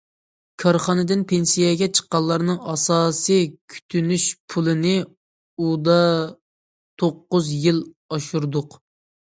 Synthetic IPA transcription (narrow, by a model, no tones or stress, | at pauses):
kʰɑɾχɑnɨd̪ɨnpʰensijɛɡʲɛt͡ʃʰə̥qːɑlˠːɑɾnɨŋɑsɑːsɨjkʲʰy̥t̪ʰynyʃpʰulˠɨnɪ | ud̪ɑ | t̪ʰoqːʊzjilˠ | ɑʃuɾd̪ʊq